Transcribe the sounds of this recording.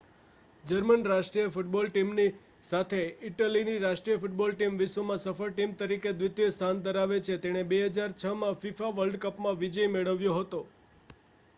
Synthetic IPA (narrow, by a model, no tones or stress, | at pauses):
d͡ʒəɾmənɾaʃʈɾijəfuʈ̚bɔlʈimni | sat̪ʰeɪʈəliniɾaʃʈɾijəfuʈ̚bɔlʈimʋɪʃomãsəfəɾʈimt̪əɾiked̪ʋɪt̪jəst̪ʰand̪əɾaʋet͡ʃʰet̪eɽ̃ebeɦəd͡ʒaɾt͡ʃʰəmãfifaʋəlɖkəpmãʋid͡ʒəjmeɭəʋjõɦət̪o